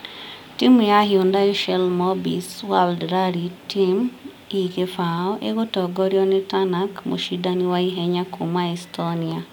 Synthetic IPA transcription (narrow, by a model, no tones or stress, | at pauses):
timujahiundaiʃɛlmobḭswaldɾaɾitim | iɣefaoʔeɣotɔɡoɾjɔnetanakmṵʃidaniwaiɦɛɲakʰumaistonia